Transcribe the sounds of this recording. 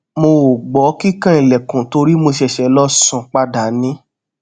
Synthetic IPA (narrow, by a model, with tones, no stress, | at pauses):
mo˧˨ɡ͡bɔ˨˦ki˦kã˦ĩ˨lɛ˨kũ˨to˧ɾi˦mo˧ʃɛ˧ʃɛ˧˦lɔ˦sũ˦˨k͡pa˧da˨nĩ˦